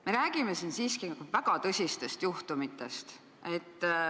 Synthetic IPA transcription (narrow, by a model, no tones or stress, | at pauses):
me̞ɾæːɡ̥ime̞sinsiːskivæɡ̥ɑt̪ɤsʲist̪e̞st̪juht̪umit̪ːˑe̞st̪ | e̞t̪ː